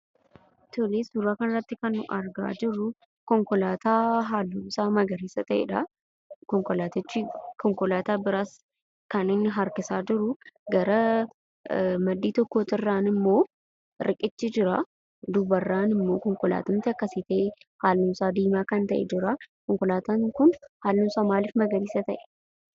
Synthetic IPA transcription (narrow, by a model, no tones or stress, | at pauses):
t̪ɔleːsʊɾaːkɐnrɐt̪ːɪkɐnʊʔɐɾɡa̰ːd͡ʒɪrːʊ | kɔŋkɔlaːt̪aːɦaːlːʊmsaːmɐɡɐɾiːsɐt̪ɐʔḛᶑɐ | kɔŋkɔlaːt̪ɪt͡ʃːɪkɔŋkɔlaːt̪aːbɪɾaːs | kɐnɪnːɪɦɐɾkɪsaːd͡ʒɪɾʊɡɐɾɐ | mɐd̪ːiːt̪ɔkːoːt̪ɪrːaːnɪmːo̞ː | ɾɪkʼɪt͡ʃːɪd͡ʒɪɾa | d̪ʊbɐrːaːnɪmːo̞ːkɔŋkɔla̰ːt̪ɐnt̪ɪɐkːɐsiːt̪ɐːhaːlːuːmsaːd̪iːmaːkɐnt̪ɐʔɛ̰d͡ʒɪɾakɔŋkɔlaːt̪aːŋkʊnhaːlːumsaːmaːlɪfmɐɡɐɾiːsɐt̪ɐʔɛ̥